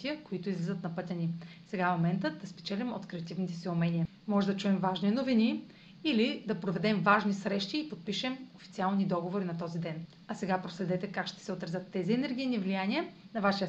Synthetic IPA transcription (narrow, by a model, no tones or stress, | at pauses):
t̪ijəkoit̪ʊizlizət̪nɐpɤt̪ʲənisɛɡafmomɛnt̪əd̪ɐspɛ̥t͡ʃɛlʲimo̰t̪kɾɛɐt̪ivnit̪ɛsiʊmɛnʲiə | mɔʒɛd̪ɐt͡ʃuɛmvaʒninovini | ilid̪ɐpɾovɛd̪ɛmvaʒnisɾɛʃt̪iːpot̪̚piʃɛmofit̪sialˠnid̪ɔɡovoɾinɐt̪ɔzid̪ɛn | ɐsɛɡapɾoslɛd̪ɛt̪ɛkakʃt̪ɛ̥sɛot̪ɾɐzʲɤt̪ːɛziɛnɛɾɡ̟ʲijnivlijaniənɐvaʃiə